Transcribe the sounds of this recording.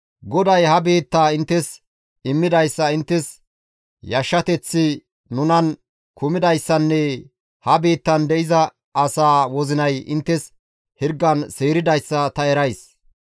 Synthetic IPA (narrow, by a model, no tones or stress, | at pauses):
ɡɔd̪ɐjhɐbeːt̪ːaːɪnt̪ːɛs | ɪmːɪd̪ɐjsːɐɪnt̪ːɛs | jɐʃːɐt̪ɛt͡sːɪ | nʊnɐn | kʰʊmɪd̪ɐjsːɐnːɛ | hɐbeːt̪ːɐnd̪ɛʔɪzɐ | ɐsaːwɔzɪnɐjɪ̰nt̪ːɛs | hɪɾɡːɐnseːɾɪd̪ɐjsːɐt̪ɐɛɾɐjs